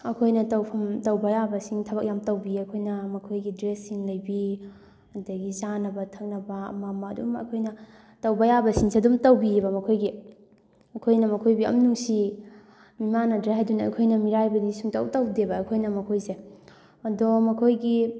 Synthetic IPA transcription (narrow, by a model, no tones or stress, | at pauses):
ɐkʰojnɐtɐwpʰɐmtɐwbɐjabɐsiŋtʰɐbɐk̚jamtɐwbiɐkʰojnɐmɐkʰojɡidɾesːiŋlɐjbi | ɐdɐɡizanɐbɐtʰɐk̚nɐbɐɐ̰mamɐːdṵmɐ̰kʰojnɐ | tɐwbɐjabɐsiŋsiɐdumtɐwbibɐmɐkʰojɡi | ɐkʰojnɐmɐkʰojbiɐ̰mnuŋsi | mimanɐdɾeadunɐɐ̰jkʰojnɐmiɾajbɐnisuŋtɐwtɐwdebɐːkʰojnɐmɐkʰojse | ɐdɔmɐkʰojɡi